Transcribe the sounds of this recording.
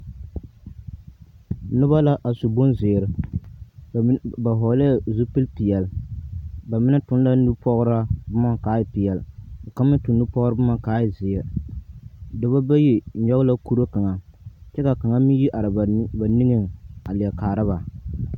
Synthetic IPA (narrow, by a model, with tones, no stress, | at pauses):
nʊ˦ba˦la˦ʔa˨su˨bo˦nzɪː˨ɾɨ˨ | ba˨ɦɔ˨˦la˦˨zu˦pɨ˦lpi˨jɛ˨l | ba˨mɪ˦nɨ˦tʊ˨n˦la˦nu˦pɔ˦ɣʊ˦ɾa˦bʊ˦ma˦kaː˨˦ji˨pi˨jɛ˨lo˨ka˦m˦ɨ˦tʊ˨nː˦u˦pɔ˦ɣɾɨ˦bʊ˦ma˦kaː˨˦ji˨zɪ˨ɛ˨ | dɨ˨ba˦ba˦ji˦˨ɲɔ˦la˦ku˦ɾo˦ka˨ŋa˨t͡ʃɛ˦ka˨ka˨ŋa˦mi˦ji˦ʔa˨ɾɨ˨˦ba˨ni˦ŋɨ˦ŋa˨lɪ˨ɛ˨kaː˨ɾɨ˦ba˨